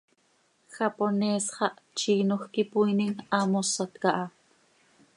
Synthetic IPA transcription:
xɑponeːsχɑʔt͡ʃiːnoxkipujniŋɑmosɑt̪kɑʔɑ

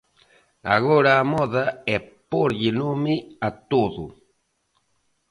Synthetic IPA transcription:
a̰ɣoɾaːmɔðaɛpoɾʎinomiat̪oðṵ

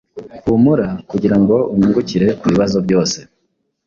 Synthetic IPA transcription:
umuɾakuɟiɾaŋɡo̞uɲuŋɡuciɾe̞kuβiβazo̞bɟo̞ːse̞

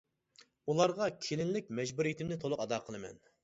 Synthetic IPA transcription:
ulˠɑɾʁɑkʲʰelɪnlɪk̚ʲmɛd͡ʒbuɾijit̪ʰɪmnɪt̪ʰolˠʊqɑd̪ɑːqʰəlˠɨmɛ̰n

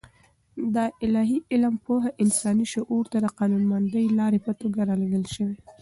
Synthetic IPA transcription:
d̪aʔɪlɑɦiʔɪlampoɦaʔɪnsɑniʃʊʔuɾt̪ad̪əqɑnunmand̪əjlɑɾepət̪oɡaɾalaɡəlʃəwe

